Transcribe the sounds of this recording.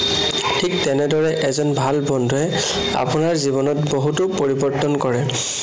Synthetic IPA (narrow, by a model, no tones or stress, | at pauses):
tʰiktɛnɛdɔɹɛʔɛzɔnbʱalbɔndʱuɛ | a̰pʊnaɹzibɔnɔtboɦutʊpoɹibɔɹtɔnkɔɹɛ